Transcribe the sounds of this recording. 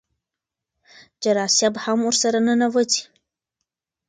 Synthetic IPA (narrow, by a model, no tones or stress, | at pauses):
d͡ʒɐɾaːsabħamursɐɾɐnɨnɐvɨtʰi